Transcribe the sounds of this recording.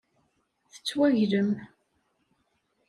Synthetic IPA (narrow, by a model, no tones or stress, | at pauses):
θə̥t͡sːwæʝɾəm